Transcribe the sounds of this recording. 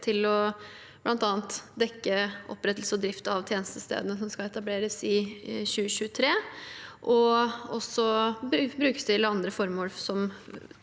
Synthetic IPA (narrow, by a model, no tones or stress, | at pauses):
t̪ʰɪlɔ | b̥lʔɑnt̪ɑːnt̪d̪ɛkːəʔɔ̰pːɾɛt̪ːəl̩səɔd̪ɾɪft̪əɑʋt̪ʰjeːnəst̪əst̪ḛːd̪ənəs̬ɔmskɑɛt̪ɑbleːɾəsɪɕʉːəɕʉːət̪ʰɾeːʔɔɔsɔbbɾʉːkə̥st̪ɪːləɑnd̪ɾəfɔɾmoːlsɔm